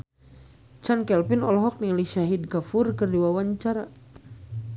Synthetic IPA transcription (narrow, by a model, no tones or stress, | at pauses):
t͡ʃankɛlpinɔlɔɦɔk̚niliʃaɦid̚kafurkərdiwawaɲt͡ʃaɾa